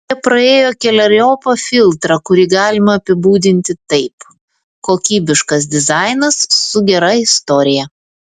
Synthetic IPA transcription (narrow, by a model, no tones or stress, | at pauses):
jɛpɾɐeːjoːkʲɛlʲɐɾʲoːpɐfʲɪlˠt̪ɾɐkʊɾʲiːɡɑːlʲɪmɐːpʲɪbuːd̪ʲɪnʲt̪ʲɪt̪ɐɪp | koːkʲiːbʲɪʃkɐsd̪ʲɪzɑɪnɐsːʊɡʲɛɾɐɪst̪ɔːɾʲɪjɛ